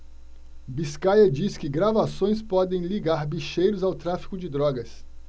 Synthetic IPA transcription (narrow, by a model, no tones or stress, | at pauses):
biskajɐd͡ʒiskɪɡɾavasõj̃spɔd̪ẽj̃liɡaɾbiʃejɾʊzawt̪ɾafi̥kʊd͡ʒɪd̪ɾɔɡɐs